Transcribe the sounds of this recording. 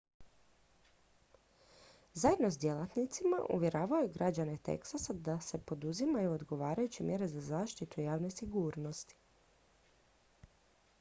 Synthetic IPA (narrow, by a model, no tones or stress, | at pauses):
zaje̞d̪no̞sd̪je̞lˠat̪nit̪sima̰ʔṵʋʲje̞ɾaːʋajuɡɾad͡ʑanet̪ḛksasad̪ase̞po̞d̪uzimajuod̪ɡo̞ʋaːɾajut͡ɕemje̞ɾe̞zazaːʃt̪it̪uijaːʋne̞siɡuːɾno̞st̪i̥